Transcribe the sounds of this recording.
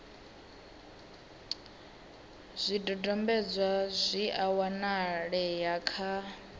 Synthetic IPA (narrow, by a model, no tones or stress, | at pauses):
z̥ʷidɔdɔmbɛd͡zʷazʷiʔawanaɺɛjakʰa